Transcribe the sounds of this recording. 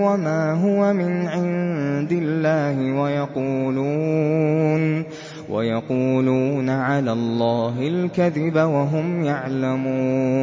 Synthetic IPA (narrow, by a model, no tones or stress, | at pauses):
wamaːɦʊwamɪnʕɪnd̪ɪlːaːhɪwajɑquːluː | n | wʔa̰jɑquːluːnaʕalaːlˤːɑːɦɪlkaðɪbawaɦʊmjaʕlamuː